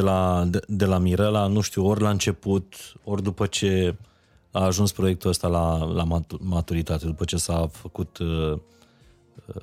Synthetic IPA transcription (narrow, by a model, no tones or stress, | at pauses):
elad̪e̞lamiɾelanuʃt̪iuo̞rʲlaɨnt͡ʃe̞put̪o̞rʲd̪upət͡ʃe̞ | aːʒunspɾo̞je̞k̚t̪uəst̪alalamat̪uɾit̪at̪e̞d̪upət͡ʃe̞safəkut̪